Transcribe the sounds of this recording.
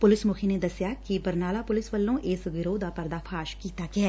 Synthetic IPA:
pʊlɪsmʊkʰiːneːd̪əsjaːkibəɾnaːlaːpʊlɪsʋəlːõːʔɪsɡɪɾoːd̪aːpəɾd̪aːpʰaːʃkiːt̪aːkɪɦɛː

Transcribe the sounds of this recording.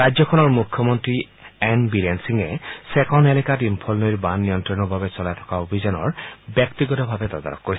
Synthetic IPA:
ad͡ʑɔkʰɔnɔɹmukʰːjɔmɔntɹi | ɛnbiɾensiŋɛsɛkɔnelɛkatimpʰɔlnoɹbanːijɔntɹɔnɔbʱabɛsɔlajtʰɔ̥kaobʱizɔnɔɹbjɔktiɡɔtɔbʱabɛtɔd̪a̰nɔ̰kkoɹis

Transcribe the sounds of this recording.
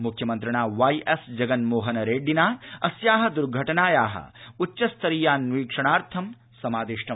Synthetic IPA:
mukʰjɐmɐnt̪ɾɐɳaːʋɐjʔesd͡ʒɐɡɐnmoːɦɐnɐɾeːɖinaːɐsjaːɦɐd̪uɾɡʱɐʈɐnaːjaːɦɐ̰utːɐst̪ʰɐɾijaːnʋiːkʂɐɳaːɾt̪ʰɐm | sɐmaːd̪iʂʈɐ

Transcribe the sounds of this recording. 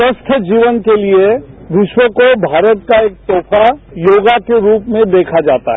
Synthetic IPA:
səst̪ʰəd͡ʒiːʋənkelieʋɪʃwəkobʱaːɾət̪̚kaeːk̚t̪oːfʰajoːɡakeɾuːpmẽd̪eːkʰad͡ʒaːt̪a̰ɦɛ

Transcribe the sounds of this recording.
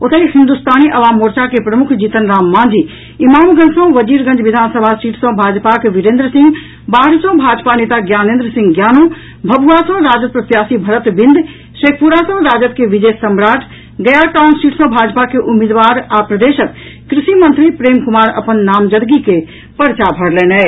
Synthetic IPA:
ʊt̪ʰəihɪ̃nd̪ust̪aːniʔɐʋaːmːoːɾt͡ʃakepɾɐmʊkʰd͡ʑiːt̪ənɾaːmːãːnd͡ʒiː | imaːmɡɐ̃ɲd͡ʒsɔ̃ʋɐziːɾɡɐ̃ɲd͡ʒʋɪd̪ʱaːnsəbʱasʈiːʈʰsɔ̃bʱaːd͡ʒpakeʋɪɾẽːnd̪ɾəsɪ̃ŋɡ | baːɾsɔ̃bʱaːd͡ʒpaneːt̪aɡjaːnẽːnd̪ɾəsɪ̃ŋɡɡjaːnũː | bʱɐbʱuasɔ̃ɾaːd͡ʒət̪̚pɾɐt̪jaːsibʱɐɾət̪bɪ̃nd̪ʱ | ʃeːk̚ʰpuɾasɔ̃ɾaːd͡ʒət̪̚keʋɪd͡ʒeːsɐmɾaːʈʰ | ɡɐjaʈaːnsʈiːʈʰsɔ̃bʱaːd͡ʒpakeʔʊmiːd̪ʋaːɾaːpɾɐd̪eːʃək̪ | kɾɪʃimɐ̃nt̪ɾipɾeːmkʊmaːɾɐ̰pənːaːmd͡ʒəd̪ɡike | pɐɾt͡ʃabʱɐɽlɛːnɛ

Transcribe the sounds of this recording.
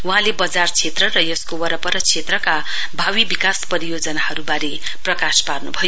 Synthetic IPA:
wuɦãlebʌd͡zart͡sʰet̪rʌrʌjʌskowʌɾʌpʌɾʌt͡sʰet̪rʌka | bʱawibikaspʌɾijod͡zʌnahʌɾubaɾe | prʌkasparnubʱʌjo

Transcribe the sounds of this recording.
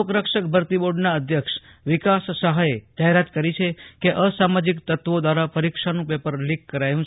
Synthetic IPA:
okɾəkʃək̚bʱəɾt̪iboɖnaəd̪ʱjəkʃ | ʋikasːəɦajed͡ʒaɦeɾat̪kəɾit͡ʃʰekeʔəsamad͡ʒikt̪ət̪ʋod̪ʋaɾapəɾikʃanũpepəɾlikːəɾajũt͡ʃʰ

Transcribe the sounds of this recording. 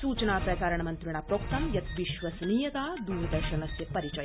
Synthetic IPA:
suːt͡ʃɐnaːpɾɐt͡ʃaːɾɐɳɐmɐnt̪ɾiɳ̃aːpɾoːk̚t̪ɐmjɐt̪ʋiʃʋɐsniːjɐt̪aːd̪uːɾɐd̪ɐːʂɐnɐsjɐpɐɾit͡ʃɐj

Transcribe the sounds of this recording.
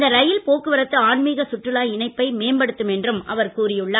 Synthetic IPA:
d̪ɐɾɐjɪlpoːkːɯʋɐɾɐt̪ːɯaːɳmiːɣɐsʊʈrɯlaːɪnɐɪpːɐɪmeːmbɐɽɯt̪ːɯmɛndrɯmʔɐ̰ʋɐɾkuːrɪjɯɭːɐ

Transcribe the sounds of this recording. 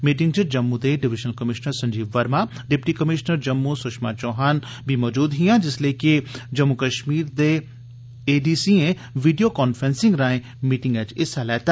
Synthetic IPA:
miːʈ̬ɪ̃ŋɡt͡ʃɪd͡ʒɐmːud̪eːɖɪʋɪʃəlkɐmɪʃnəɾsɐ̃ɲd͡ʒiːbʋɐɾmaː | ɖɪpʈikɐmɪʃnəɾd͡ʒɐmːusʊʃma̰ːt͡ʃɔːɦaːnbʱimɔːd͡ʒuːd̪ɦijãːd͡ʒɪsleːkid͡ʒɐmːukəʃmiːɾd̪e | eːɖiːsiẽ | ʋiːɖijoːkɔːnfɾẽːnsɪ̃ŋɡɾaːẽ | miːʈɪ̃ŋɡɛːd͡ʒɪsalɛːt̪aː

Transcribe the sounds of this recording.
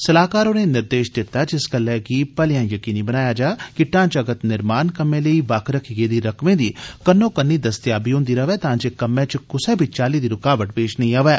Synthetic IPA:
sɐlaːkaːɾõːnenɪɾd̪eːʃd̪ɪt̪ːad͡ʒɪsɡəlːɛːkipɐlɪjãːjɐkiːnibənaːjad͡ʒaːkɪʈːãːt͡ʃɐɡət̪nɪɾmaːnkɐmːẽləiːbaːkɾəkʰiɡeːd̪iɾɐkmẽd̪iːkənːõːkənːid̪ɐst̪jaːbiɦõːnd̪iɾɐʋɛːt̪ãːt͡ʃekɐmːẽt͡ʃkʊsẽbʱit͡ʃaːlid̪iɾʊkaːʋəʈ̚peːʃnəɐɦĩaːʋɛː

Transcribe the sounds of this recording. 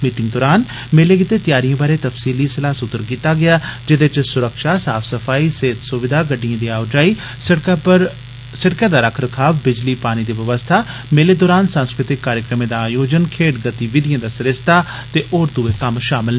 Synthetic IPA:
miːʈɪ̃ŋɡ̚d̪ɔːɾaːn | meːleːkɪt̪eːt̪ɪjaːɾijãːbaːɾeːt̪əfsiːliːsɪlaːsʊt̪ːəɾkiːt̪aːɡɪaːd͡ʒɪd̪ɪt͡ʃsʊɾəkʃaːsa̰ːpʰsəpʰaːiːseːt̪sʊʋɪd̪aːɡəɖːijãːd̪iːaːʋd͡ʒaːiː | əɾ | səʈkãːd̪aːɾəkʰɾəkʰaːʋbɪd͡ʒliːpaːñiːd̪iːʋəʋəst̪ʰaː | meːleːd̪ɔːɾaːnsə̃nskɾɪt̪ɪkːaːɾjəkɾəmẽːd̪aaːjoːd͡ʒənkʰeːʈɡət̪iːʋɪd̪ijãːd̪aːsəɾɪst̪aː | t̪eːʔoːɾd̪uːeːkəmʃaːmɪl

